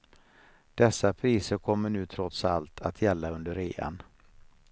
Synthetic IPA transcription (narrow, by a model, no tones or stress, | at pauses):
d̪̥ɛsːapʰɾiːsəɾkʰɔmːəɳʉ̟ːt̪ʰɾɔt̪sa̰lt̪ʰat̪ʰjɛlːaɵnd̪əɾeːa̰n